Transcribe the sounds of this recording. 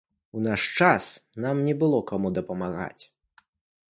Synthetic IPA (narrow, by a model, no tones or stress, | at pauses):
unaʂt͡ʂasnamnʲɛbɨlˠɔkamud̪ɐpɐmaɣa̰t͡sʲ